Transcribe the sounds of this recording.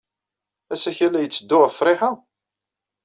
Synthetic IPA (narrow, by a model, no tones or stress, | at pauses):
æsæçælæjət͡sːəd̪ːʊʁəfɾˤɪħa